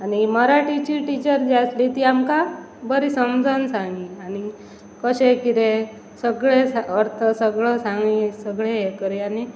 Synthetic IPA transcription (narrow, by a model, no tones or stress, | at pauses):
animəɾaʈit͡ɕiʈit͡ɕəɾd͡ʑaslit̪iamka | bəɾisəmd͡zʱənsãŋɡiani | kəɕekiɾe | səɡɭesaəɾt̪ʰəsəɡɭəsãŋɡisəɡɭeekəɾiani